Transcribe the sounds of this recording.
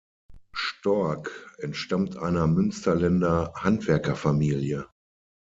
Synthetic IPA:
ʃtɔɐkʔɛntʃtamtʔaɪnɐmʏnstɐlɛndɐhantv̥ɛɐkɐfamiːljə

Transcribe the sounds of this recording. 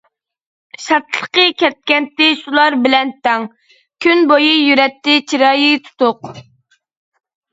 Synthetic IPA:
ʃɑt̪ʰlˠə̥qəkʲɛt̪̚kʲɛnt̪ːɪʃulˠɑɾbɪlɛnt̪ʰɑŋ | kʲʰynbojɨjyɾɛt̪ːɪt͡ʃʰiɾɑːjit̪ʰu̥t̪ʊq

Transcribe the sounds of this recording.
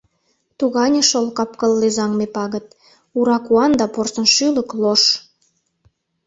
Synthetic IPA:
t̪uɣɑnʲeʃolkɑpkəlːezɑŋmepɑɣə̆t̪̚ | uɾɑkuɑnd̪ɑporsə̆nʃylə̆kloʃ

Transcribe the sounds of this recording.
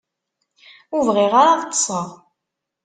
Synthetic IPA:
uvʁiʁaɾaðt̪ːsˤəʁ

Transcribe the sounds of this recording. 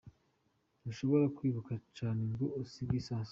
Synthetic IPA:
nuʃoβo̞ɾakwiːβukat͡ʃaːneŋɡuosiɡisaːs

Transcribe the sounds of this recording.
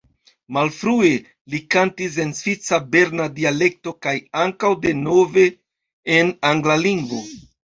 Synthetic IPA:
malfɾue̞ | likantis̬e̞nsvit͡sabe̞ɾnadiale̞k̚to̞kajaŋkawde̞no̞ve̞ː | naŋɡlaliŋɡvo̞

